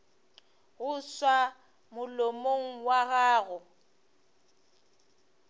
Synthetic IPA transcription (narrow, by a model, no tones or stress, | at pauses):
ɣʊswa | mʊlomoŋ̩waɣaːɣʊ